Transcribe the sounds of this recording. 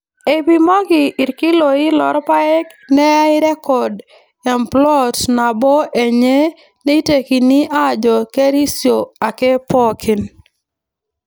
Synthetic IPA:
e˨bi˦mɔ˦ɡɪ˨ʔɪ˨ɾkɪ˦lo˨ɪ˦lɔ˦ɾpa˦ɛ˦knɛ˦a˦ɪ˦ɾɛ˦kɔ˨d | ɛ˨mplɔ˦tna˨bɔ˦ʔe˨ɲe˦ | ne˦te˨ki˨ni˦ʔa˦d͡ʒɔ˨ke˦ɾi˦sjo˨a˨ke˦pɔ˦kʰi˨n

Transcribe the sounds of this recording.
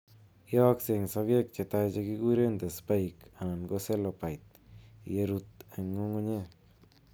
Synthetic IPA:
jɔ˦kse˧ŋsa˧βje˦k̚t͡ʃe˨t̪a˧jt͡ʃe˧ki˦ɡu˦ɾe˦nd̪a˨spa˦jka˨na˨nɡo˦se˦lo˧pa˨jt̪̚ | je˧ɾu˧t̪e˨ŋo˦ŋo˦ɲe˦

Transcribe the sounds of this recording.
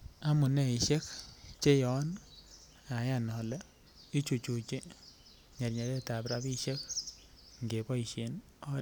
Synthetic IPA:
a˦mʊ˨nɛ˦i˨ʃe˦kt͡ʃe˦jɔ˨˦n | a˨˦ja˦˨nɔ˨lɛ˦ | i˦t͡ʃu˨t͡ʃu˨t͡ʃi˦ | ɲa˨ɾɲa˨ɾe˦ta˨pɾa˦bi˦ʃe˦k̚ | ŋɡe˨bɔ˦i˨ʃe˨n | ɔ˦

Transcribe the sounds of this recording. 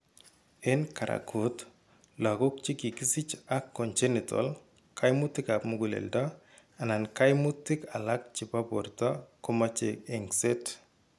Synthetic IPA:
e˦nka˨ɾa̰˨kʰo˨˦t | la˨ɡo˦k̚t͡ʃi˦ki˨ki˦sɪ˦t͡ʃa˦kːɔ˨nt͡ʃe˦nɪ˨tɔ̰˨l | kʰa˦jmʊ˦tːɪ˦ka˨pmu˦ɡu˨lḛ˨lda˦ | a˨na˨nka˦jmu˦tːɪ˦ka˨la˦k̚t͡ʃi˨pa˦po˨ɾta˦ko˦ma˦t͡ʃe˨e˨ŋse˦t

